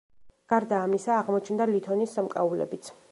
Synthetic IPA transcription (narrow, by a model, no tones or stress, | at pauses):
ɡ̥aɾd̪aːmisaːʁmɔt͡ʃʰnd̪alit̪ʰɔnisːamkʼa̰ulɛ̰bit̪sʰ